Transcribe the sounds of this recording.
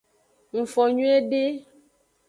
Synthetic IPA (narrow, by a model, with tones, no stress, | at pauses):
ŋ̩˨fɔ˨ɲũ˦e˦ɖe˦